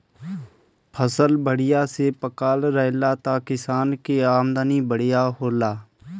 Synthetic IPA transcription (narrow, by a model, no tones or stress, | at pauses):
pʰəsəlbəɽɪjasepəkaːlɾəɦlaːt̪akɪsaːnkeaːmd̪anibəɽɪjaɦoːlaː